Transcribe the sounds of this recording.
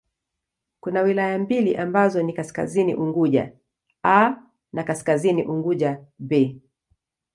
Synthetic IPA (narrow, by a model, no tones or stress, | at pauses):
kunawilajambiliʔambazɔnikaska̰zinḭʔuŋɡuʄa̰ | a | nakaskazinḭʔuŋɡuʄabɛ